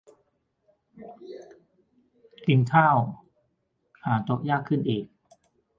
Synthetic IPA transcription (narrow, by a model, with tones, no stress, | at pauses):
ti˧nt̪ʰaː˥˩w | haː˩˦t͡ɕ̪o˨˦k̚jaː˥˩kʰːɯ˥˩nʔeː˨˩k̚